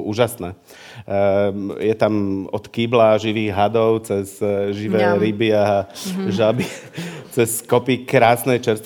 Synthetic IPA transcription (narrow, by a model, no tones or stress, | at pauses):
uːʒasnaː | jɛt̪amɔt̪kiːblaʒiʋiːɣɦad̪ɔʊt͡sɛzʒiʋɛːɾibɪa | ʒabit͡sɛskɔpikɾaːsnɛjt͡ʃɛɾst̪